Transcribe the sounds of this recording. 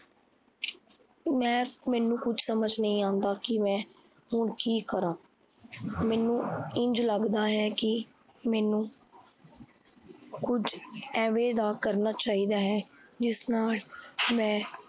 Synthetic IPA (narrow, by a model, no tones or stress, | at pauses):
mɛ̃ːmɛːnũːkʊt͡ʃʰsəməd͡ʒnəĩːãːnd̪aːkɪmɛ̃ː | ɦʊɳkiːkəɾãː | mɛːnũːɪ̃ɲd͡ʒləɡd̪aːɦɛːkɪ | mɛːnũː | kʊd͡ʒʰɛːʋeːd̪aːkəɾnaːt͡ʃaːiːd̪aːɦɛːd͡ʒɪsnaːlmɛ̃ː